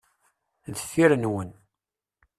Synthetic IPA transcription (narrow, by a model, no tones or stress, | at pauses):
ðəfːiɾənwən